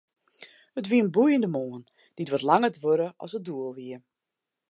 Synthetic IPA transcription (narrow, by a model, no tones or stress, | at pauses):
hətʋiənbujəndəmoːən | d̥itʋotlaŋədʋøɾəʔɔ̰sət̚duəlˠʋiə